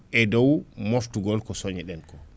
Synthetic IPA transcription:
ʔɛdɔwmoftuɡɔlkɔsoɲɛɗɛnkɔ

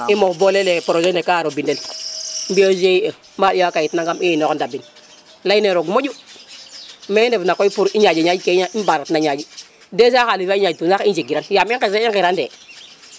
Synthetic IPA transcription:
imobolelepoɾod͡ʒendekaɾobindelmbiozeie | maiwakajitnaŋɡamiinokdabin | laineɾoɡmod͡ʒu | mendevnakoipuɾiɲad͡ʒeɲaikeɲaibaɾatnaɲad͡ʒi | desakaliaiaitusakind͡ʒeɡiɾanjamiŋkeseiŋkiɾandḛ

